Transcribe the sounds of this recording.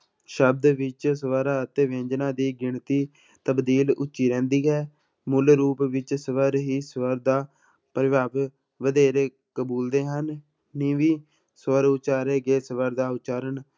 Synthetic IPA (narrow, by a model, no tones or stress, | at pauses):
ʃəb̚d̪ʋɪt͡ʃsəʋəɾaːət̪eːʋẽːd͡ʒnãːd̪iːɡɪɳt̪iː | t̪əbd̪iːlʊtːt͡ʃːʃiːɾɛ̃ːnd̪iːɦɛː | mulɾuːpʋɪt͡ʃsəʋəɾɦiːsəʋəɾd̪aː | pəɾɪʋaːb | ʋəd̪eːɾeː | kəbuːld̪eːɦənː | ĩːʋiː | səʋəɾʊt͡ʃaːɾeːɡeːsəʋəɾd̪aːʊt͡ʃaːɾən